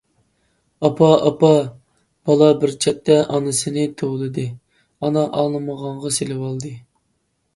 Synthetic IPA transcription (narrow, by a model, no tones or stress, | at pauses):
ɑpʰɑɑpɑ | b̥ɑlˠɑbɪɾt͡ʃʰɛt̪ːɛʔɑnɨsɨnɨt̪ʰoʁlˠɨd̪ɨ | ɑnɑʔɑlˠnˠɨməʁɑɴʁɑselɪwɑlˠd̪ɨ